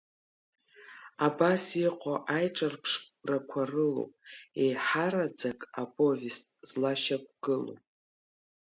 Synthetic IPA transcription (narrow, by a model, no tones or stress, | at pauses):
abasiqʷʰaʔajʈ͡ʂʼarpʰʂrakʷʰarɨlo̰wpʼejħaɾad͡zakʼapʼo̞vestʼz̥laʃak̚ʷɡ̥ɨlo̰p